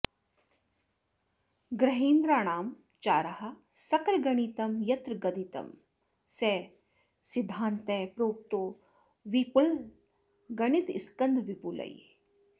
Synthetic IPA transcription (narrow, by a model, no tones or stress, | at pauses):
ɡɾɐɦiːnd̪ɾaːɳaːm | t͡ʃaːɾɐɦɐ̆ | sɐkɾɡɐɳ̃it̪ɐmjɐt̪ɾɡɐd̪it̪ɐ̰m | seː | sid̪ʱːaːnt̪eːpɾoːp̚t̪oː | ʋipul | ɡɐɳit̪iskɐnd̪ʱʋipulɐ̰j̰